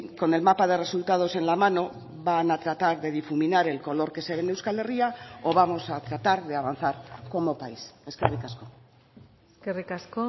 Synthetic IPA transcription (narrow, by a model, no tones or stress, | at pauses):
ko̞ne̞lmapað̞e̞re̞sult̪að̞o̞se̞nlamano̞ | βanat̪ɾat̪aɾðe̞ð̞ifuminaɾe̞lko̞lo̞ɾke̞se̞βe̞nd̪ewskale̞riao̞β̞amo̞sat̪ɾat̪aɾðe̞aβ̞an̟θaɾko̞mo̞paise̞skerikasko̞ | skerikasko